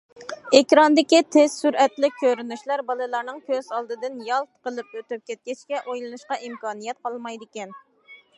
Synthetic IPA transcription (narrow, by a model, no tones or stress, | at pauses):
ekʲɾɑnd̪ɪkʲit̪ʰɪz̥syɾɛt̪lɪk̚ʲʰːøɾynyʃlˠɑɾbɑlˠɨlˠɑɾnɨŋkʲʰøz̥ɑlˠd̪ɨd̪ɨnjɑlˠt̪qəlˠɨp̚øt̪yp̚kʲɛt̪̚kʲɛt͡ʃkʲɛʔojlˠɨnuʃqɑʔimkɑːnijɛt̪̚qɑlˠmɑjd̪ɪkʲɛn